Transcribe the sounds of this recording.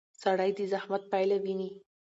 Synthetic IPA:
saɽajd̪əzahmat̪̚pajlawini

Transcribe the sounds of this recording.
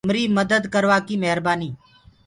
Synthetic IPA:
mɾiːməd̪əd̪kəɾʋaːkiːmɛɦɾbaːniː

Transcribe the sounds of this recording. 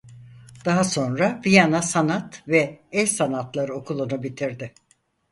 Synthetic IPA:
d̪̥aɦaso̞nɾabijanasanat̪vɛɛsanat̪lˠaɾɯo̞kʰulˠunubit̪ʰiɾd̪ɪ

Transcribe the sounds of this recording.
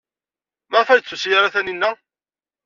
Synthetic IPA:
məʁfæjət͡sːusjaɾaθæninːæ

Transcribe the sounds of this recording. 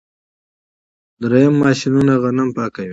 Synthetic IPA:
d̪ɾejamːɑːʃinunaɣanampɑːkawi

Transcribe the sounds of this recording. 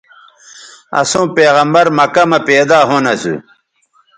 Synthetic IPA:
ɐ̰sõːpeːɣɐmbɐɾmɐkɐmɐpeːd̪aːɦonɐsṵ

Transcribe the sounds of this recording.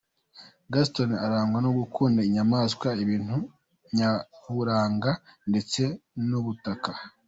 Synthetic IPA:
ɡas̬tonaɾaːŋɡwanoɡukʰuːndaiɲamaːskwaiβiːn̥u | ɲahuɾaːŋɡande̞t͡se̞nuβutaka

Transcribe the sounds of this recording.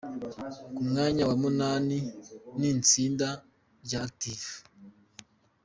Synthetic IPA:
kumŋaːɲawamunaniniːnt͡siːnda | ɟak̚tifu̥

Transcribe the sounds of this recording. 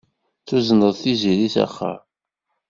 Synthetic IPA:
θuzənəðˤθiziɾiθæ̰χːə̰

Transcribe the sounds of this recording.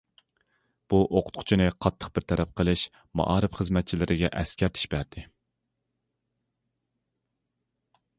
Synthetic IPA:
b̥uʔoqʰʊt̪qʰʊ̥t͡ʃʰinɨqʰɑt̪ʰːə̥qb̥ɪɾt̪ʰɛɾɛp̚qʰəlˠɨʃ | mɑ̰ʔɑːɾɨfχəzmɛt̪̚t͡ʃʰilɪɾʔɪɡʲɛʔɛskʲæɾt̪ʰɪ̥ʃbæɾd̪̥ɪ

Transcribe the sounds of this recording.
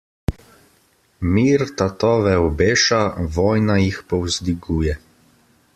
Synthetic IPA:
miːɾt̪at̪ɔːʋɛɔbeːʃaʋɔːjnajixpɔwzd̪iɡuːjɛ

